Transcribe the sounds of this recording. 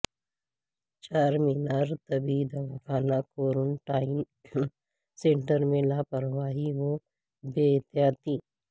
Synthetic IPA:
t͡ʃaːɾmɪnaːɾt̪ɐbid̪aʋɐkʰaːnakoːɾʊnʈaːɪm | sẽɳʈəɾmẽlaːpɐɾʋaːɦiʋo | beːt̪jaːt̪i

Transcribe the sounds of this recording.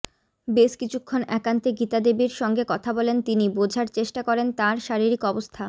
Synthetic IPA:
beʃkit͡ɕʰukʰːonɛkant̪eɡit̪ad̪ebiɾʃɔŋɡekɔt̪ʰabɔlent̪inibod͡ʑʱaɾt͡ɕeʃʈakɔɾent̪aɾʃaɾiɾikɔbost̪ʰa

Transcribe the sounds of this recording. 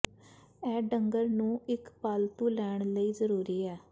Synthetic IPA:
ɛːɖəŋɡəɾnũːɪkpaːlt̪uːlɛːɳləiːzəɾuːɾiːɛː

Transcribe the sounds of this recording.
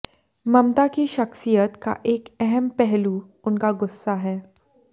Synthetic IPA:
mɐmt̪akiʃɐxsijət̪ka̰ʔeːkɛɦɛmpɛɦlu | ʊnkaɡʊsːaɦɛː

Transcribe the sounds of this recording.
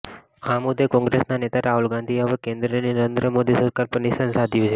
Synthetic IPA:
ãmʊd̪ʱːekɔ̃ŋɡɾesnanet̪aɾaɦulɡãnd̪ʱiɦəʋekẽnd̪ɾəninəɾẽnd̪ɾəmod̪isəɾkaɾpənisənsad̪ʱjũt͡ʃʰe

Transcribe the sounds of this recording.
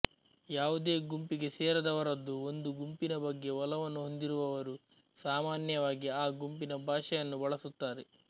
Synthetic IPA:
jaːʋud̪e̞ːɡumpiɡe̞seːɾɐd̪ɐʋɐɾɐd̪ːuond̪uɡumpinɐbɐɡːe̞ʋɔlɐʋɐnːuɦo̞nd̪iɾuʋɐʋɐɾu | saːmaːnjɐʋaːɡiaːɡumpinɐbʱaːʃɐjɐnːubɐɭɐsut̪ːaːɾe

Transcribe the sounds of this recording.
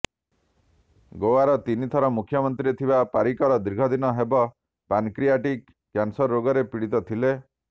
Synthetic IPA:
ɡowaɾɔt̪init̪ʰɔɾɔmukʰjɔmɔnt̪ɾiet̪ʰibapaɾikɔɾɔd̪ɾiɡʱɔd̪inɔɦebɔ | pankɾiaʈikː | jansɔɾːoɡɔɾepiɽit̪ɔt̪ʰile

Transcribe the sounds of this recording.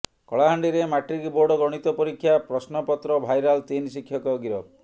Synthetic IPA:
kɔɭaɦaɳɖiɾemaʈɾikiboɾɖɔɡɾɔɽ̃it̪ɔpɔɾikʰːjapɾɔsnɔpɔt̪ɾɔbʱajɾalt̪insikʰːjɔkɔɡiɾɔ

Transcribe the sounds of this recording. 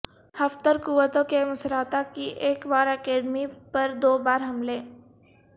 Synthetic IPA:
hɐft̪əɾkuʋət̪õkemʊsɾaːt̪akiʔeːkbaːɾɛkeːɖmipɐɾd̪oːbaːɾɦɐmleː

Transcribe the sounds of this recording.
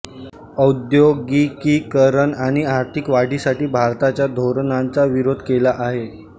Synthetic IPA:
əud̪joɡikiːkəɾəɳaɽ̃iaɾt̪ʰikʋaɽ̤ʱiːsaʈiːbʱaɾt̪at͡ɕjad̪ʱoɾnant͡saʋiɾod̪ʱkelaʔaɦe

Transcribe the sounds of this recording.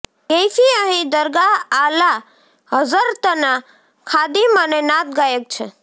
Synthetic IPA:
kejpʰiəɦĩd̪əɾɡaːla | ɦəzəɾt̪əna | kʰad̪imənenat̪̚ɡajek̚t͡ʃʰə

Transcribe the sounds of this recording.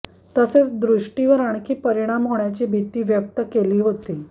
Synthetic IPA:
t̪əset͡sd̪ɾuʂʈiʋəɾaɳkʰiːpəɾiɽ̃amɦoɳjat͡ɕiːbʱit̪iːʋjək̚t̪əkeliːɦot̪iː

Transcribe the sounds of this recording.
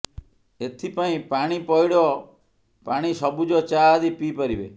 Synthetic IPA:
et̪ʰipaĩpaɽ̃ipɔjɽɔ | paɽ̃isɔbud͡ʒɔt͡ʃad̪ipipɔɾibḛ

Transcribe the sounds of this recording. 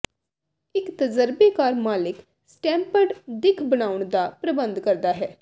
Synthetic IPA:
ɪkt̪əzəɾbekaːɾmaːlɪk | sʈɛ̃ːmpəɾɖd̪ɪkʰbəñaːʊɳd̪aːpɾəbə̃nd̪kəɾd̪aːɦɛː

